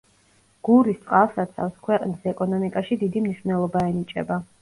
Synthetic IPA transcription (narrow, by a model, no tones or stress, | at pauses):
ɡ̥uɾist̪sʼqʼalˠsat̪sʰa̰fskʰwɛqʼnisɛkʼɔnɔmikʼaʃid̪id̪imniʃvnɛlˠɔbaɛnit͡ʃʼɛ̰ba